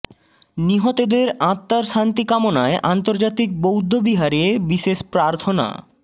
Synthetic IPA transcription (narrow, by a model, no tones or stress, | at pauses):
niɦot̪od̪eɾãt̪ːaɾʃant̪ikamonaeʔant̪oɾd͡ʑat̪ik̚bowd̪ʱːobiɦaɾebiʃeʃpɾaɾt̪ʰona̰